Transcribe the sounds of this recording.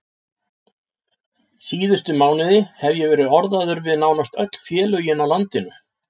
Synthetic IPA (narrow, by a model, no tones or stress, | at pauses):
siːðʏst̪ʏmaːwnɪðɪhɛvjɛvɛːɾɪðɔɾðaðʏɾvɪðnaːwnast̪œ̰t̪l̥fjɛːlʏjɪnawlant̪ɪnʏ